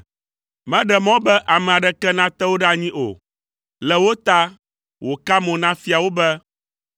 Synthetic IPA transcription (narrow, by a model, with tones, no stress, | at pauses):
mɛ̃˦ɖɛ˨mɔ̃˦bɛ˦ʔa˨mɛ̃˨a˨ɖɛ˦kɛ˦nã˦t̪ɛ˦wo˦ɖa˦ɲĩ˦ʔo̰˨ | lɛ˨wo˦t̪a˦ | wʔo˨ka˦mɔ̃˨nã˦fi˦a˨wo˦bɛ˦